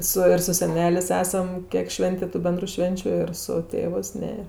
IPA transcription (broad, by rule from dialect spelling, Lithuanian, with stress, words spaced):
ˈsʊ ɪr sʊ sʲɛˈnʲæːlʲeːsʲ ˈæːsɐm ˈkʲiɛk ˈʃʲʋʲɛnʲtʲeː tʊ ˈbʲɛndrʊ ˈʃʲʋʲɛnʲt͡ʃʲʊ ɪr sʊ ˈtʲeːʋɜs ˈnʲɛ